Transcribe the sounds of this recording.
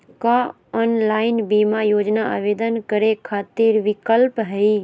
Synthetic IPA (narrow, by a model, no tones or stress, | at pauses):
ka | ɔːnlaːɪnbiːmajoːd͡ʒnaa̰ːʋeːd̪ənkəɾekʰaːt̪iɾʋɪkəlpɦɛi